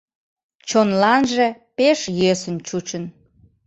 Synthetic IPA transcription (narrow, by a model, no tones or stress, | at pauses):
t͡ɕonlɑnʒe̽peʃjøsə̆nt͡ɕut͡ɕən